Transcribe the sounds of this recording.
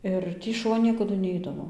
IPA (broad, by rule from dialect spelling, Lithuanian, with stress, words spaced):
ˈɪr ˈtʲiː ʃʊˈʋɐ ˈnʲiɛkɐdʊ ˈnʲɛɪdɐʋoː